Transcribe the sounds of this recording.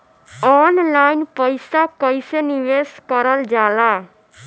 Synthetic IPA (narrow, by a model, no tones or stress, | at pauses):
ɔːnlaːinpəɪsakəiseniʋeːskəɾəld͡ʒaːlaː